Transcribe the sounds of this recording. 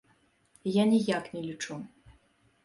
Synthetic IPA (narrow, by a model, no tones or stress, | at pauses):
janʲijaknʲɛlʲit͡ʂu